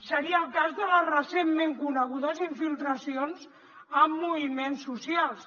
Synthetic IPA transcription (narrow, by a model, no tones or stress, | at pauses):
səɾiəːlˠkazðələzrəsemːẽŋkunəɣ̞uðəziɱfilˠt̪ɾəsionz | əmːuβimensːusialˠs